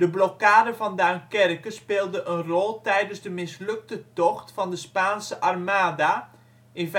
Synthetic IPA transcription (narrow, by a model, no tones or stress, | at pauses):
d̥əblɔkaːdəvɑndankɛrkəspeːlˠdəʔənrɔlˠtɛjdənzdəmɪslɵk̚tətɔχtfɑndəspaːnsəʔɑrmaːda | ʔɪnv